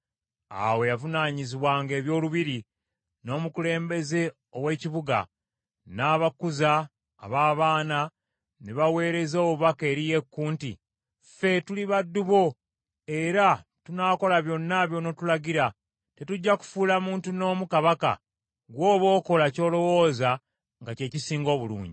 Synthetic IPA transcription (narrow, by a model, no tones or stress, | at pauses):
a̰we̞javunaːɲiziβwaːŋɡe̞ːβjo̞ːluβiɾi | no̞ːmukule̞ːmbe̞ze̞ | owe̞ciβuɡa̰ | naːβakuza̰ː | βaːβaːna | neβawe̞ːɾe̞zoːβuβake̞ːɾije̞kːuːntḭ | fe̞tuliβadːuβo̞ | eɾa | tunaːko̞laβjo̞nːaβjo̞no̞tulaɡiɾa | te̞tuɟːaku̥fuːlamuːntuno̞ːmukaβaka̰ | ɡwo̞ːβoːko̞laco̞ːlo̞wo̞ːza | ŋɡace̞ːcisiːŋɡo̞ːβulṵːɲɟi